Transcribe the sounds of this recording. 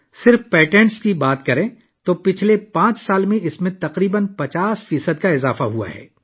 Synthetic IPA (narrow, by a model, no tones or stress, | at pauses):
sɪɾfpɛːʈɛ̃ɳʈskibaːt̪kɐɾẽ | t̪oːpɪt͡ʃʰlepãːt͡ʃsaːlmẽɪsmẽt̪ɐqɾiːbənpɐt͡ʃaːsfiːsəd̪̚kaɪzaːfaɦua̰ɦɛ̰ː